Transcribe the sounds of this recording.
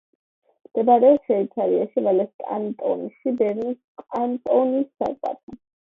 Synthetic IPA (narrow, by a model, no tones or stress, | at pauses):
md̪̥ɛbaɾɛɔʃɛit̪sʰaɾiaʃivalɛskʼa̰nt̪ʼɔ̰nʃibɛɾniskʼant̪ʼɔnisːa̰kʼwa̰t̪a